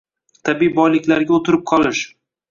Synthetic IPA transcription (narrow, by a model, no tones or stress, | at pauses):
t̪ʰabijbɒjlɪkʲlaɾɡʲaot̪ʰɪɾɪp̚qʰɒlˠɪʃ